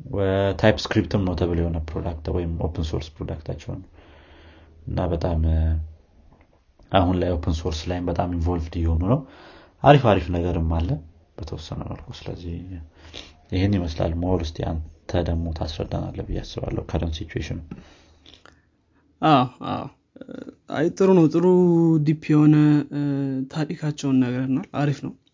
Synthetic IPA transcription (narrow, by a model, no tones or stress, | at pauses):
wət̪ʰajpskɾipt̪ʰɨmnəwt̪ʰəβɨljɛho̞nəpɾo̰d̪akt̪wɔjɪmʔo̰pʰənso̞̰ɾspɾo̞d̪akt̪ʰat͡ʃːɛwnə | ɨnːabət̪ʼam | ʔahunlajo̞pʰənso̞ɾslajɪmbət̪ʼamiɱvo̞lvd̪jɛho̞nunəwʔaɾifaɾifnəɡəɾɨmːalːə | b̥ət̪ʰəwɔsːənə̰wna̰lkʰusɨlə̰zːih | jɪhenːjɪməsla̰lːməhoɾʊst̪ʰʼea̰nt̪ʰəd̪əɡmo̞t̪ʰasɾə̰d̪ːana̰lːəbɨjːa̰sːɨβa̰lːʔə̰hukʰəd̪əmsit͡ʃuḛʃɪn | ʔawa̰w | a̰jt̪ʼɨɾunəwt̪ʼɨɾud̪ipʰːijɛhonə | t̪ʰaɾʼikʰat͡ʃːɛwnːəɡɾnalaɾifnəw